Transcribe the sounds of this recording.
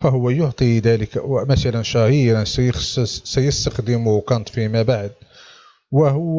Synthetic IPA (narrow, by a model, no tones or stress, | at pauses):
fæɦʊwːæjʊʕt̪ˤid̪æləkwmæsælænʃæɦiɾɑnsæjssæjəst̪axd̪əmʊhkɑnt̪ˤfimæbaʕd̪̚ | wəɦʊː